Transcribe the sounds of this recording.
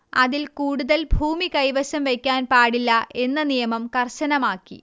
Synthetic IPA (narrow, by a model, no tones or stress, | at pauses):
ɐðilkuːɽuðɐlbʱuːmikɐjʋɐɕɐmʋekʲːaːnpaːɽilːɐʔe̞nːɐnijɐmɐmkɐrɕɐnɐmaːkːḭ